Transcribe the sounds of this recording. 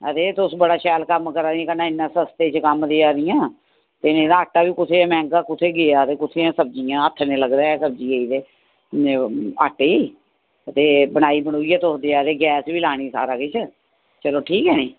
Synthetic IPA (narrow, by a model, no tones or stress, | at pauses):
ət̪eːt̪ʊsbəɽaːʃɛːlkəmkəɾaːniːkənaːɪnːãːsəst̪eːt͡ʃkəmd̪eːaːɾɪjãː | t̪enẽːd̪aːəʈːaːʋiːkʊt̪ʰeːmɛ̃ːŋɡaːkʊt̪ʰeːɡeaːt̪eːkʊt̪ʰeːãːsəb̚d͡ʒijãːət̪ʰːnẽːləɡɾeːsəbd͡ʒiːeiːd̪eː | a̰ʈeiː | ət̪eːbəɽ̃aːiːbəɽ̃oːiːɛːt̪ʊsd̪eːaːɾeːɡɛːsʋiːlaːɽ̃iːsa̰ːɾaːkɪt͡ʃʰ | t͡ʃəloːʈʰiːkɛːneː